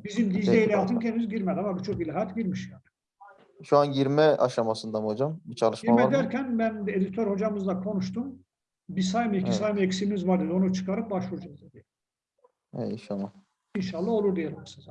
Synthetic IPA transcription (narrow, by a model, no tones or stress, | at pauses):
bizimd̪iʒeilʲɛjalt̪ʰɯncʰenimizɟiɾmed̪iamabit͡ʃʰo̞k̚bilʲɦajat̪ɟiɾmiʃjaːnɯ̥ | ʃuanɟiɾmɛa̰ʃamasɯnd̪amhod͡ʒambit͡ʃʰalˠɯʃmiɾamɛd̪æɾcʰænbænd̪ed̪it̪ʰøɾho̞d͡ʒamɯzd̪ˠakʰo̞nuʃt̪ʰum | bisajmɯicʰisajmɯecsimizvaɾd̪ed̪io̞nut͡ʃʰɯ̥kʰaɾɯk̚baʃvuud͡ʒazd̪ad̪ijɛ | ɛ̰inʃalːˠa | inʃalˠːao̞lˠuɾd̪ijelʲmɛsiz